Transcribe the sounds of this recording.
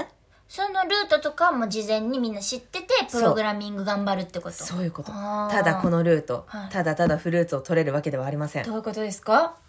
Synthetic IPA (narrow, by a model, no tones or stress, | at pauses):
so̞no̞ɾɯ̟ːt̪o̞t̪o̞kamo̞ːd͡ʑizẽ̞ɲ̟ːimʲĩnːaɕit̪ːe̞t̪e̞psɯɾoɡɯ̟ɾamʲĩŋɡɯ̟ɡãmbaɾɯ̟t̪ːeko̞tsoso̞ːjɯ̟ːko̞t̪ot̪ad̪ako̞no̞ɾɯ̟ːt̪o̞̰t̪ad̪at̪ad̪aɸɯ̟ɾɯ̟ːt͡sɨot̪o̞ɾe̞ɾɯ̟βake̞d̪e̞βaːɾʲimasẽ̞d̪oːji̟ko̞t̪o̞d̪e̞sɨ̥ka